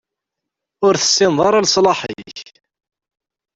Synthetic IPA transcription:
ʊɾθə̥sːɪmðˤɑɾˤɑlsˤlɑħə̰ç

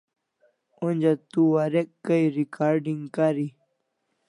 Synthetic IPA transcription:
unʲd͡ʑat̪uwaɾekkːəjɾikaːɾɖiŋɡkaɾi

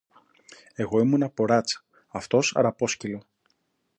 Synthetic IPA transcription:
e̞ɣo̞imunɐpo̞ɾɐt͡sɐ̥ | ɐft̪o̞sɐ̰ɾɐpo̞scilo̞

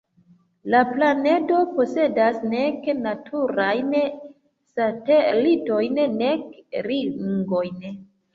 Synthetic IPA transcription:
laplane̞do̞po̞se̞dasne̞knatʰuɾajn | satelito̞jnne̞kɾiŋɡo̞jn

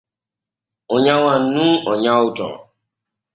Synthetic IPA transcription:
ɔɲaŋʷan̩nuɔɲaʊtɔ̰

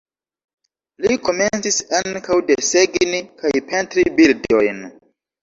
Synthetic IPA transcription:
liko̞me̞nt͡sisaŋkawde̞seɡnikajpe̞ntɾibildo̰jn

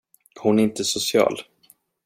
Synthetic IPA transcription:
hʊnæɾɪnt̪əsʊsɪɑ̰ːl

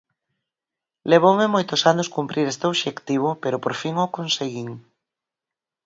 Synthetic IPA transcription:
leβ̞owmɪmojt̪ʊsanʊskumpɾʔiɾest̪eoβʃekt̪iβ̞ʊpeɾʊpoɾfiŋokonseɣiŋ

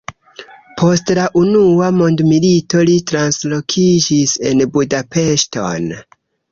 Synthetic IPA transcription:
pʰo̞stlaʔunuamo̞ndmilito̞litɾanslo̞kʰid͡ʒise̞nbudape̞ʃto̞̰n

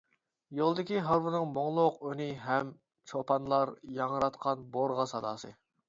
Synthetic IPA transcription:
jolˠd̪ɪkʲiɦɑɾwunɨŋmoŋlˠʊqønɪɦɛm | t͡ʃʰopʰɑnlˠɑɾjɑŋəɾɑt̪qʰɑnboɾʁɑsɑd̪ɑ̰ːsɨ̰

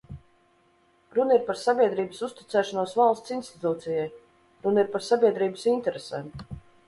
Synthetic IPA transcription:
ɾunəiɾpaɾsabʲiɛd̪ɾiːbəsust̪i̥t̪sɛːʃanuɔsvalˠst̪sinst̪i̥t̪uːt̪sijaj | ɾuniɾpaɾsabʲiɛd̪ɾiːbəsinʲt̪ɛɾesɛːm

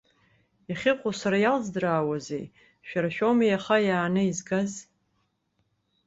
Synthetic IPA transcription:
jaχʲɪqʷʼʊsaɾajalzdraːwazḛj | ʃᶣaɾaʃᶣomijaχajaːnɨizɡaz

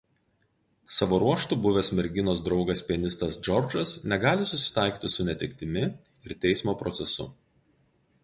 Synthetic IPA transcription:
sɑʋoːɾuɔʃt̪ubʊʋʲɛːsmʲɛɾʲɡʲɪnoːs̬d̪ɾɒʊɡɐsʲpʲiɛnʲɪst̪ɐsd͡ʒɔɾd͡ʒɐsnʲɛɡɑːlʲɪsʊsʲɪ̥t̪ɑˑɪkʲiːt̪ʲɪsʊnʲɛt̪ʲɪkʲt̪ʲɪmʲɪ | ɪɾt̪ʲɛɪsmoːpɾɔt̪sʲɛsʊ̰

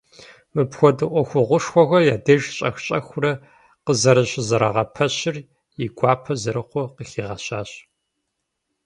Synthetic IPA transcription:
mɨpxʷɔdɨʔʷɔxʷʊʁʷʊʂxʷɔɣʷɐjaːdɐʒɕʼɐ̰xɕʼɐxʷʊrɐ | qəzɐɾɨɕzɐɾɐʁɐpʰɐɕɪr | jɪɡʷʼɑːpʰɐzɐɾɨqʷʊqəxiːʁɐɕaːɕ

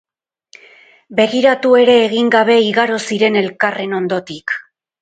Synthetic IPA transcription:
be̞ɣiɾat̪ue̞ɾe̞ːɣiŋɡaβ̞e̞iɣaɾo̞siɾe̞ne̞lkare̞no̞nd̪o̞t̪ik

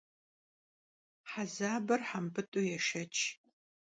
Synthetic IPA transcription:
ħazaːbɐrħampʰɨtʼʊjɛʃɐt͡ʃʼʰ

